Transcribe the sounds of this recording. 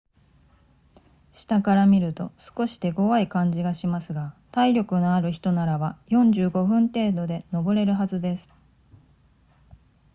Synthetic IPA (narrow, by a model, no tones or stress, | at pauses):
ɕi̥t̪akaɾamʲiɾɯ̟t̪o̞sɨ̥ko̞ɕi̥t̪e̞ɡo̞βaikãɲ̟d͡ʑiɡaɕimasɨɡat̪aiɾʲo̞kɯ̟noaɾɯ̟çi̥t̪o̞naɾaβajõ̞ɲ̟d͡ʑɨːɡo̞ɸɯ̟̃nt̪e̞ːd̪o̞d̪e̞no̞bo̞ɾe̞ɾɯ̟ɦazɨd̪e̞sɨ̥